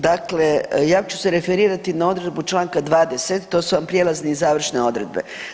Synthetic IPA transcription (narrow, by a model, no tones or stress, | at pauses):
d̪akle̞jaːt͡ɕu̥seɾefeɾiːɾat̪inao̞d̪ɾed̪but͡ʃlˠaːŋkad̪ʋaːd̪eset̪ːo̞ːsuʋampɾjelazniːzaːʋr̩ʃne̞o̞d̪ɾed̪̚be̞̰